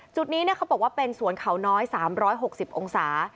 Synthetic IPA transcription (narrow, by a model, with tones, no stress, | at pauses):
t͡ɕu˨˩t̪̚niː˦˥ni˥˩ɐkʰa˦˥bɔː˨˩waː˥˩pe˧nsu˨˩˦ənkʰa˨˩˦wnɔː˦˥jsaː˩˦mɾɔː˦˥jɦo˨˩k̚si˨˩p̚ʔo˧ŋsaː˩˦